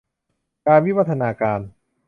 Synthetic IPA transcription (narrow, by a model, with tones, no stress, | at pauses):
kaː˧nwi˦˥wa˦˥t̪ʰːa˧naː˧kaː˧n